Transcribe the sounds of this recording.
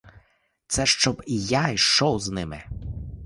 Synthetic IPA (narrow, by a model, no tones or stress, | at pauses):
t̪sɛʃt͡ʃɔbijajʃt͡ʃɔwznɪmɪ